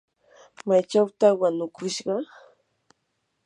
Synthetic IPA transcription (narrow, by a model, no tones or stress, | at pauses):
majt͡ʃawt̪awanʊkʰʊʃɢɑ